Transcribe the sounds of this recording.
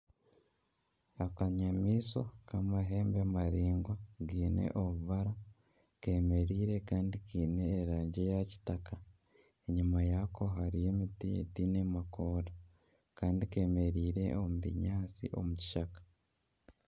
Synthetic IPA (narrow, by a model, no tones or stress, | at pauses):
akaɲamiːso̞kamaɦe̞ːmbemaɾiːŋɡwaɡiːnḛʔoβuβaɾa | ke̞me̞ɾiːɾe̞kaːndikiːne̞ːɾaːɲɟe̞jaci̥taka | eɲumajakʰo̞ɦaɾije̞mitiḛtiːne̞makoːda | kaːndike̞me̞ɾiːɾe̞̰omuβḭɲaːt͡sḭʔo̞̰muci̥ʃakḁ